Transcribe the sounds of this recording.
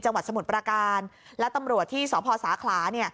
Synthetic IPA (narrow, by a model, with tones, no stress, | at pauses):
t͡ɕa˧ŋwa˨˩t̪sa˧mu˨˩t̪̚pɾaː˧kaː˧nlɛ˦˥t̪a˧mɾu˨˩ət̪ʰːiː˥˩sɔː˩˦pʰɔː˧saː˩˦kʰlaː˩˦ni˥˩ə